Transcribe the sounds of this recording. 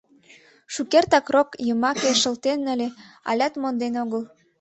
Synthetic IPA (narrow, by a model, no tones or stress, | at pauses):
ʃukert̪ɑkrokjəmɑkeʃə̆lt̪enəlʲeɑ̰lʲɑt̪mond̪enoɣəl